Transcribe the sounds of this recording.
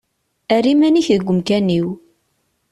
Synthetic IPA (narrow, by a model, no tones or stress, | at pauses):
ærimæniçðəɡʷːəmkæniw